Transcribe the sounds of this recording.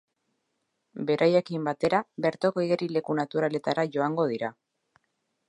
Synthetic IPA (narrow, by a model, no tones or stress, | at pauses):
be̞ɾʔaje̞kimbat̪e̞ɾaβe̞ɾt̪okoiɣeɾile̞kunat̪uɾale̞t̪aɾaʝo̞aŋɡo̞ðiɾa